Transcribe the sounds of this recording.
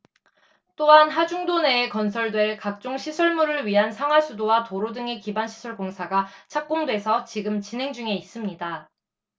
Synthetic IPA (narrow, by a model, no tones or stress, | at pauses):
t͈oɦanɦad͡ʑuŋdone̞ːkʌnsʰʌɭdwe̞ɭkak̚t͡ɕ͈oŋɕʰisʰʌɭmuɾɯɭɥiɦansʰaŋwas͈ʰudowatoɾodɯŋe̞kibanɕʰi̥sʰʌɭkoŋsʰaɡat͡ɕʰak̚k͈omdwe̞sʰʌt͡ɕiɡɯmt͡ɕinɦe̞ŋd͡ʑuŋe̞is͈ɯmɲida